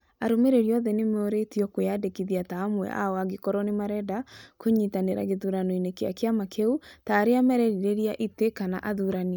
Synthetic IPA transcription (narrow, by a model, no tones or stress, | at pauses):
aɾomeɾeɾiɔðɛnemoɾetiɔkojadekiðjataːmwɛ̰ʔa̰ɔaɡekɔɾɔnemaɾɛdakoɲitaneɾa̰ɡeðuɾanɔinekea̰keamakʰeutaːɾeamɛɾɛɾiɾeɾijaʔitekana̰ʔaðuɾan